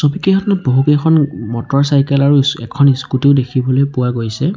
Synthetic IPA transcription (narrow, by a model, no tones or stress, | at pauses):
sɔbikeɔtnɔboɦukekʰɔnmɔtɔɹsajkɛlaɹusɛ̰kʰɔniskutiʊdekʰibɔlojpuwaɡojsɛ